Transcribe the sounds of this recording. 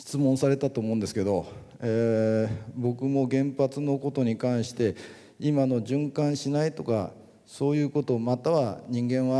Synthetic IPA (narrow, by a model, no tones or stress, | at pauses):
ɕi̥t͡sɨmõ̞ɰ̃saɾe̞t̪at̪o̞ːmo̞ɯ̃nd̪esɨ̥ke̞d̪o̞ | e | bo̞kɯ̟mo̞ɡẽ̞mpat͡sɨno̞ko̞t̪o̞ɲ̟ikãɰ̃ɕi̥t̪e̞ | imano̞ʑɨ̃ŋkãɰ̃ɕinait̪o̞ka̰ | so̞ːjɯ̟ːko̞t̪o̞ːmat̪aβaɲ̟ĩŋɡẽ̞ɰ̃βa